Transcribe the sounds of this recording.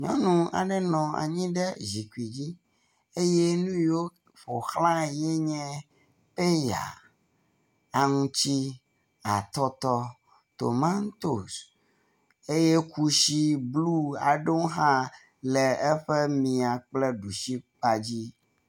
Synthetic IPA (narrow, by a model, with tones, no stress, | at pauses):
ɲɔ̰̃˦nũ˦a̰˨ɖɛ˦nɔ̃˨a̰˨ɲĩ˦ɖɛ˦zi˨ku˨i˨d͡ʑi˦ | e˦je˦nũ˦jo˦ | ɸo˨xlã˦jɛ˦ɲɛ̃˦ | pe˦ja̰˨ | a˨ŋũ˦t͡ɕi˦ | a˨t̪ɔ˦t̪ɔ˦ | t̪o̰˨mã˦ŋ˦t̪o˨s | e˦je˦ku˦ʃi˦blu˦a˨ɖo˦ɦã˦ | lɛ˨ɛ˦ɸe˦mĩ˨a˨k͡plɛ˦ɖu˨ʃi˦k͡pa˨d͡ʑi˦